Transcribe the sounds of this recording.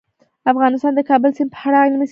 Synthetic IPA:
afɣɑnɪst̪ɑnd̪əkɑbəlsɪnpə̥aɽɑnmis

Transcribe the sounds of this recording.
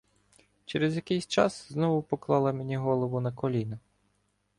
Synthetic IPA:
t͡ʃeɾezjɐkɪjsʲt͡ʃɑ̰sznɔʋʊpɔklˠɑlˠɐmenʲiɦɔlˠɔʋʊnɐkɔlʲinɐ

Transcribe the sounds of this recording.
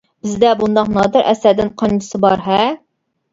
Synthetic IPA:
bɪzd̪ɛbund̪ɑqnɑd̪ɨɾʔɛ̰sɛd̪ɪnqʰɑnd̪ʰɨsɨbɑɾɦɛ

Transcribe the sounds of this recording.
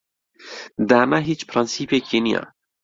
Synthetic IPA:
d̪aːnaɦit͡ʃpʰɾɑnsiːpekinija̰

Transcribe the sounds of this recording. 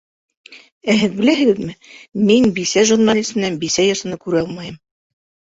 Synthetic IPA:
æɦɘðbɘ̆læhɘ̆ɡɘðmɘminbisæʒurnalʲismɘ̆nænbisæjɑɾsɤ̆nɤkʉɾɘɑlˠmɑjɤm

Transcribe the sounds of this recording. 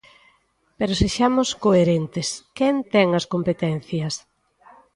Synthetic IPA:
peɾoseʃamʊskoeɾent̪ɪskɛnt̪ɛŋɐskompet̪ɛn̟θjɐs

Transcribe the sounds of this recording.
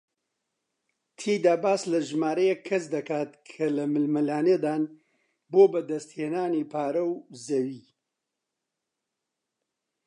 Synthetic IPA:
t̪ʰiːd̪aːbaːslɐʒmaːɾɐjɛkʰːɐsd̪ɐkaːt̪kʰɐlɐmɨlmɐlaːned̪aːn | boːbɐd̪ɐst̪heːnaːniːpʰaːɾɐwzɐwiː

